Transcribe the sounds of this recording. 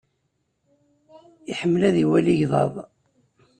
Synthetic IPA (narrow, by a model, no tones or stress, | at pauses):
iħəmːəlæðiwæliʝðˤɑ̰ðˤ